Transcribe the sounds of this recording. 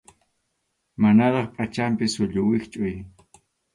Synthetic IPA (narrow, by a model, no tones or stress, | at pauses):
manaɾɑχpʼat͡ʃampɪsʊʎʊwɪkt͡ʃʼʊj